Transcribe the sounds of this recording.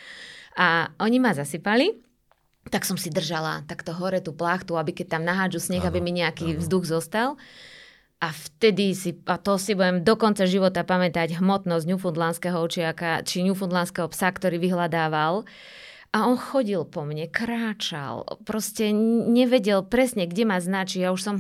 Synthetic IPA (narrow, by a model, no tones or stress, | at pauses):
aɔɲimazasipali | t̪aksɔmsid̪r̩ʒala̰t̪akt̪ɔɦɔɾɛt̪uːplaxt̪uabikɛc̚t̪amnaɦaːd͡ʒusɲɛɣabimiɲɛakiːvzd̪uɣzɔst̪al | ʔaft̪ɛd̪isiat̪ɔsibujɛmd̪ɔkɔnt͡saʒiʋɔt̪apamɛt̪aɟɦmɔt̪nɔzɟɲufund̪lanskɛɦɔɔt͡ʃɪakat͡ʃiɲufund̪lanskɛɦɔpsakt̪ɔɾiːʋiɦlad̪aːʋal | ʔaɔnxɔɟilpɔmɲɛkɾaːt͡ʃa̰lpɾɔscɛɲɛʋɛɟɛlpɾɛsɲɛɡɟɛmaznat͡ʃijauʃsɔm